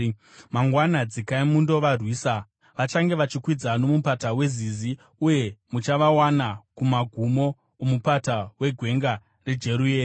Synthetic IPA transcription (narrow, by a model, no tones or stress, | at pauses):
maŋɡwanad͡zikaimundo̞ʋarwiːsa | ʋat͡ʃaŋɡe̞ʋat͡ʃikwid͡zano̞mupatawe̞zizi | uje̞mut͡ʃaʋawanakumaɡʱumo̞ː | mupatawe̞ɡʱwe̞ŋɡa | re̞d͡ʒe̞ɾueː